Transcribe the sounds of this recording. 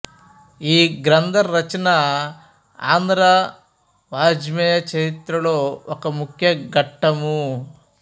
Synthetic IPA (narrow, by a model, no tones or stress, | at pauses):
iːɡɾɐnd̪ʱɐɾːɐt͡ʃɐna | aːnd̪ɾa | ʋaːd͡ʒmɛjɐt͡ʃɐɾit̪ɾɐlo̞ːɔkɐmukʰjɐɡɐʈːɐmu